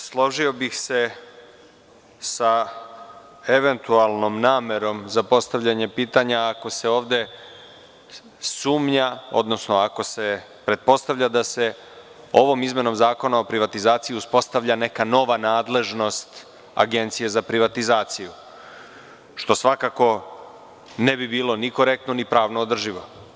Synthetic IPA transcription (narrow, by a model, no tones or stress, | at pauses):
slˠo̞ʒio̞bixse̞ | sa | eʋe̞nt̪ualˠno̞mnaːme̞ɾo̞mzapo̞st̪aʋʎaɲe̞piːt̪aɲaːko̞se̞o̞ːʋd̪e̞ | suːmɲao̞̰d̪no̞sno̞ako̞se̞ | pɾe̞t̪̚po̞st̪aʋʎad̪ase̞ | o̞ʋo̞mizme̞no̞mzaːko̞nao̞pɾiʋat̪izaːt̪sijiuspo̞st̪aʋʎane̞kano̞ʋanaːd̪le̞ʒno̞st̪ | a̰ɡe̞nt̪sije̞zapɾiʋat̪izaːt̪siju | ʃt̪o̞sʋakako̞ | nebibiːlˠo̞niko̞ɾe̞k̚t̪nonipɾaːʋnoːd̪r̩ʒiʋo